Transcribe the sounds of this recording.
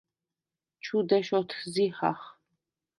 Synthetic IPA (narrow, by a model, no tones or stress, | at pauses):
t͡ʃʰud̪ɛʃɔt̪ʰziha̰χ